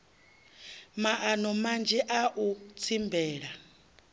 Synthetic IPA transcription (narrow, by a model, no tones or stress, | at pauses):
maʔanɔmand͡ʒʱɛʔaʔut͡sʰimbɛːɺa